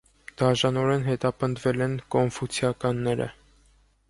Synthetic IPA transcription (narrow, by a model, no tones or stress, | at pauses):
d̪̥ɑʒɑnɔɾɛnɦɛt̪ɑpənd̪vɛlɛnkɔnfut͡sʰjɑkɑnːɛɾə̰